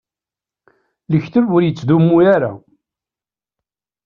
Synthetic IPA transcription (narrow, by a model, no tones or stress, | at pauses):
ləçθəvʊɾjət͡sːðumːujaɾa̰